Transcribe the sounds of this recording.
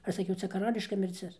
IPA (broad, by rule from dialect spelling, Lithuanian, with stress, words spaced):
ˈɐʃ sɐˈkʲɛʊ ˈt͡sʲɛ kɐˈrɑːlʲɪʃkɐ mʲɪrʲˈt͡sʲɪs